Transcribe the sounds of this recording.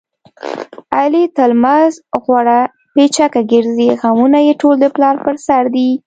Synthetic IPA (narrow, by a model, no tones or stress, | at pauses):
alit̪almazɣwaɽa | pet͡ʃakaɡəɾziɣamunajeʈold̪əplɑɾpəɾsaɾd̪i